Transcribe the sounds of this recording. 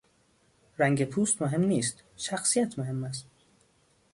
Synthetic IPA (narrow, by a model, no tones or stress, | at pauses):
ɾæŋɟepʰuːst̪moɦe̞mniːst̪ | ʃæxsijæt̪ʰmoɦe̞mːæs̬t̪